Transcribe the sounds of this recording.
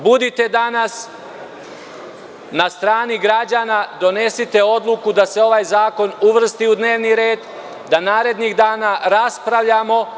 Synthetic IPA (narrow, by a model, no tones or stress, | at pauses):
bud̪it̪e̞d̪anas | nast̪ɾaːniɡɾad͡ʑanad̪o̞ne̞sit̪e̞o̞d̪lˠukud̪ase̞o̞ʋaːjzaːko̞nuʋr̩st̪iud̪ne̞ːʋniɾe̞ːd̪ | d̪anaːɾe̞d̪niɣd̪aːnaɾaspɾaʋʎamo̞